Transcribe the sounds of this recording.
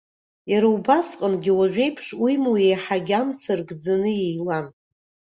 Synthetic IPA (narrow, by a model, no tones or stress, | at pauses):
jaɾaubasqʼənɡʲiwaʒʷᶣe̞jpʰʂwijmuwejħaɡʲamt͡sʰarɡd͡zanɨjejlan